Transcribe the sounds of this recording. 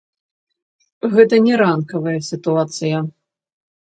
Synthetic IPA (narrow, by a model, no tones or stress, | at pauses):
ɣɛt̪ɐnʲɛɾankɐvɐjɐsʲit̪uat̪sɨjɐ